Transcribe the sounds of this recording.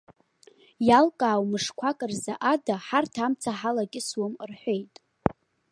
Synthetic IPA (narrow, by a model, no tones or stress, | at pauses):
jalkʼaːwmɨʂkʷʰakʼɨrzaʔadaħartʰamt͡sʰaħalakʲʼɪswʊmrħʷᶣejtʼ